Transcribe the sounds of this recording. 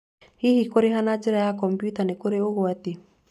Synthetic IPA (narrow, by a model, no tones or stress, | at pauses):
hihikoɾeɦanad͡ʒeɾajakɔmpjutanekoɾeoɣwate